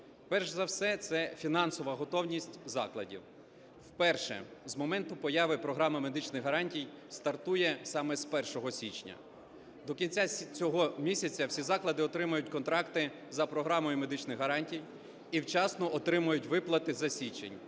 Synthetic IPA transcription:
pɛrʒzɐwsɛt̪sɛfʲinɑnsɔʋɐɦɔt̪ɔwnʲisʲtʲzɑklˠɐdʲḭw | wpɛrʃɛ̰zmɔmɛnt̪ʊpɔjɑʋɪpɾɔɦɾɑmɪme̞d̪ɪt͡ʃnɪxɦɐɾɑnʲtʲijst̪ɐrt̪ujɛsɑmɛspɛrʃɔɦɔsʲit͡ʃnʲɐ̰ | d̪ɔkʲinʲt͡sʲat͡sʲɔɦɔmʲisʲɐt͡sʲɐwsʲizɑklˠɐd̪ɪɔt̪ɾɪmɐjʊtʲkɔnt̪ɾɑkt̪ɪ | zɐpɾɔɦɾɑmɔjʊme̞d̪ɪt͡ʃnɪxɦɐɾɑnʲtʲij | iwt͡ʃɑsnɔʔɔt̪ɾɪmʊjʊtʲʋɪplˠɐt̪ɪzɐsʲit͡ʃḛnʲ

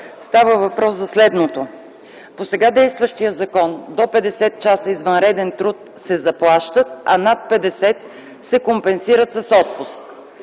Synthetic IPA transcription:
st̪avəvɐpɾɔszɐslɛd̪not̪o | posɛɡad̪ɛjst̪vəʃt̪ijəzɐkɔnd̪opɛd̪ɛsɛt̪t͡ʃasəizvənɾɛd̪ɛnt̪ɾut̪ | sɛzɐplˠaʃt̪ət̪̚ɐ̰nat̪̚pɛd̪ɛsɛt̪ | sɛkompɛnsiɾət̪sɐsɔt̪̚pusk

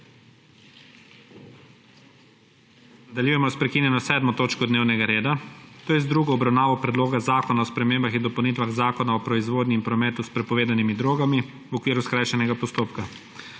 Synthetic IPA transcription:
nad̪aljujɛmɔspɾɛkinjɛnɔsɛd̪mɔt̪oːt͡ʃkɔd̪neːwnɛɡaɾeːd̪at̪oːjɛzd̪ɾuɡɔːbɾawnaːʋɔpɾɛd̪loːɡazaːkɔnaɔspɾɛmeːmbaxind̪ɔpɐwnit̪ʋaɣzaːkɔnaɔpɾɔizʋoːd̪niːmpɾɔmɛːt̪uspɾɛpɔʋeːd̪animid̪ɾoːɡami | wɔkʋiːɾuskɾaːjʃɛnɛɡapɔst̪oːpka

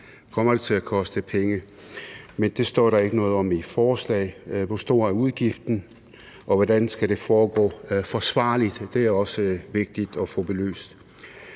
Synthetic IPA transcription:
kʰɒ̽m̰ɐd̥e̝t͡sʰe̝lækʰɒ̽sd̥əpʰeŋə | mend̥e̝sd̥ɒ̰ːɾ̥ɑ̈e̝ɡ̥ənɔ̽ːð̞̩ˠɒ̽mifɒːslɛ̰ɪʋɒsd̥o̝̰ːɐæuðˠɡ̥ifd̥n̩ | ʔɒ̽ʋɒdænsɡ̥æɾ̥e̝fɒːɡ̥ɔ̰ːfɒsʋɑ̈ːlid̥d̥e̝æɐɒ̽səʋe̝ɡ̥̚d̥id̥ɒ̽fɔ̽b̥e̝lø̰ːsd̥

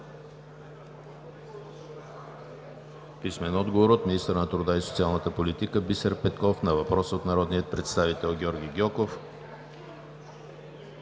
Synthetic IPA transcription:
pismɛnɔd̪ɡovoɾot̪minist̪ɾnət̪ɾud̪aisot̪sialˠnət̪əpolit̪ikəbisəɾpɛt̪kɔfnɐvɐpɾɔsot̪nɐɾɔd̪nijət̪̚pɾɛt̪st̪avit̪ɛlˠɡʲɔɾɡʲiɡʲɔkof

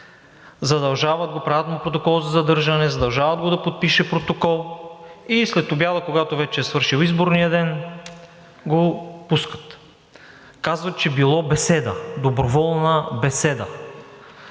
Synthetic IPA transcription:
zɐd̪ɐlˠʒavəd̪̚ɡopɾat̪nopɾot̪okɔlˠzɐzɐd̪ɤɾʒɐnɛzɐd̪ɐlˠʒavəd̪ɡod̪ɐpot̪̚piʃɛpɾot̪okɔlˠislɛt̪objad̪əkoɡat̪ovɛt͡ʃɛːsvɤɾʃilˠizboɾnijəd̪ɛn | ɡopuskə̥t̪ | kazvət͡ʃɛbilˠɔbɛsɛd̪əd̪obɾovɔlˠnəbɛsɛd̪ə

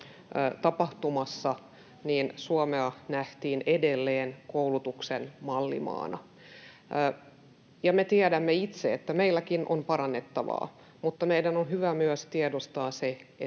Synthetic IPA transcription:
t̪ɑpɑht̪umɑsːɑ | niːnsuomeɑnæht̪iːnedelːeːnkoulut̪uksenmɑlːḭmɑ̰ːnɑ̰ | jɑmet̪iædæmːeit̪seet̪ːæmeilːækinʔo̰mpɑɾɑnːet̪ːɑʋɑ̰ː | mut̪ːɑmeidænonɦyʋæmyæst̪iɛdost̪ɑːsee

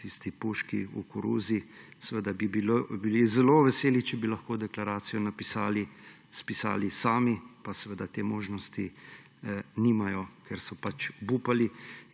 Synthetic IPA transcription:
t̪ist̪ipuʃkiṵkuɾṵzisɛʋəd̪abibilobilizɛloʋɛseːlit͡ʃɛbilɐxkoːd̪ɛklaɾaːt̪sijɔnapisaːli | spisa̰ːlisaːmipasɛʋəd̪at̪eːmoːʒnɔst̪i | nimajɔkʰɛɾsɔpat͡ʃbuːpali

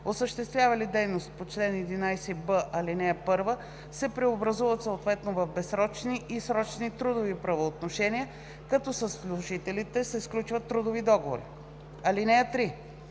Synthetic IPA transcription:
osəʃt̪ɛst̪vʲjavɐlid̪ɛjnost̪̚pot͡ʃlɛnɛd̪inajsɛbəʔɐlinɛəpɤɾvə | sɛpɾɛobɾɐzuvət̪səot̪vɛt̪novɐfbɛsɾɔt͡ʃniʔisɾɔt͡ʃnit̪ɾud̪ovipɾɐvoːt̪noʃɛnijə | kɐt̪ɔsəslˠuʒit̪ɛlit̪ɛsɛsklʲut͡ʃvət̪ːɾud̪ovid̪ɔɡovo̰ɾḭ | ɐlinɛət̪ɾi

